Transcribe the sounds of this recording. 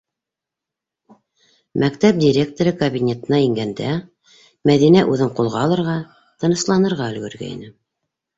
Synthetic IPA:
mʔækt̪æp̚dʲiɾʲe̞k̚t̪oɾɤkɐbʲinʲe̞t̪ɤ̆nɑiŋɡænd̪æ | mæðinæʔʉðɘɴqulˠʁɑːlˠɤ̆ɾʁɑ | t̪ɤ̆nɤ̆slˠɑnɤ̆ɾʁɑɵ̆lɡɵ̆ɾɡæ̰ḭnɘ

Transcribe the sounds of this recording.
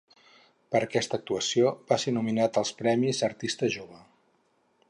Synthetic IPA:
pəɾəkɛst̪ək̚t̪uəsiobasenuminat̪əlˠspɾɛmizəɾt̪ist̪əʒoβ̞ə

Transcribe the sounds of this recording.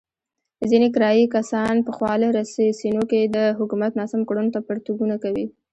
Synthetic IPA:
zinekɾɑjikasɑnpəxwɑləɾassinoked̪əɦʊkumat̪nɑsamkɽunt̪apəɾt̪uɡunakawi

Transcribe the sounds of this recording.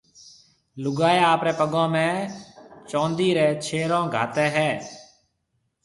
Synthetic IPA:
lʊɡaːjaːaːpɾɛːpəɡõːmɛ̃ː | t͡ʃɔ̃ːnd̪iːɾɛːt͡ʃʰeːɾõːɡʱa̰ːt̪ɛːɦɛː

